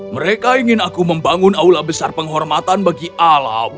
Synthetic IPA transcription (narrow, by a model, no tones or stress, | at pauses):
məɾekaiŋɪnakuməmbaŋʊnaulabəsarpəŋɦɔrmat̪anbaɡiʔala̰m